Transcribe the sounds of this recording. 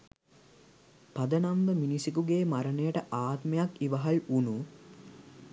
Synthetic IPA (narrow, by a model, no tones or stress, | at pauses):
pad̪ənamʋəminisikuɡeːmaɾənəjəʈəʔaːt̪mejakiʋəɦɐlunu